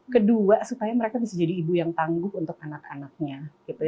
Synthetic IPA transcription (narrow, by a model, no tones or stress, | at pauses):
kəduasupajaməɾekabisad͡ʒadiːbujaŋt̪aŋɡʊhunt̪ʊk̚anaka̰nak̚ɲakit̪u